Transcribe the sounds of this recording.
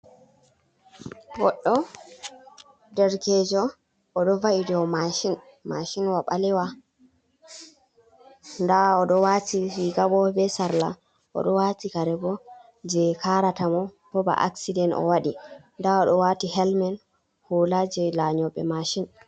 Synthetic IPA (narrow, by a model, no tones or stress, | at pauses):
wɔɗːɔ | dɛɾkɛd͡ʒɔ | ʔɔɗɔvaidɛwmaʃin | maʃinwaɓalɛwa | ndaɔɗɔwatiiɡabɔbɛsaɾla | ʔɔ̰ɗɔwatikaɾɛbɔ | d͡ʒɛkʰaɾatamɔ | bɔba̰ʔa̰ksidɛnɔ̰waɗi | ndaɔɗɔwatihɛlmɛn | hulad͡ʒɛlaɲɔɓɛ̰maʃin